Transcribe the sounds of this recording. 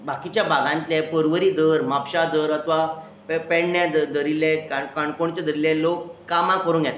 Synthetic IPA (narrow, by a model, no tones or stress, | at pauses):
bʱakit͡ɕjabʱaɡãnt̪lapəɾʋəɾiːd̪ʱəɾmapɕad̪əɾət̪ʋa | pɛɳːjad̪d̪əɾilẽkakaɳkoɳt͡ɕad̪əɾilɛ̃lokːamãkəɾuːnɡjat̪